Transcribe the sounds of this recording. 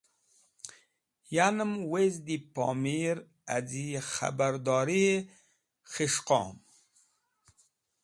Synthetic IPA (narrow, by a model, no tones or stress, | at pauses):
janəmwezd̪ipɑ̰miɾ | adixa̰baɾd̪ɑːɾie | χiʃqɔ̰ːm